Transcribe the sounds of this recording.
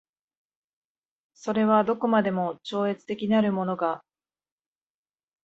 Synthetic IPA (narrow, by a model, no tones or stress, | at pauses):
so̞ɾe̞βad̪o̞ko̞mad̪e̞mo̞t͡ɕo̞ːe̞t͡sɨ̥t̪e̞kʲinaɾɯ̟mo̞no̞ɡa